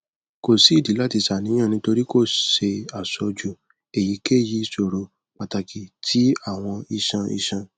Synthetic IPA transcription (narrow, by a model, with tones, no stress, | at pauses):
ko˨si˨˦˨di˨˦la˦ti˧ʃa˦˨nĩ˨˦ã˦˨nĩ˧˦to˧ɾi˦ko˦˨ʃe˧a˨sɔ˧d͡ʒu˨ | e˨ji˨˦ke˦˨ji˧so˨ɾo˧ | k͡pa˨ta˧kʰi˨tʰi˨˦a˦˨w̃ɔ̃˧i˧ʃã˧ḭ˧ʃã˧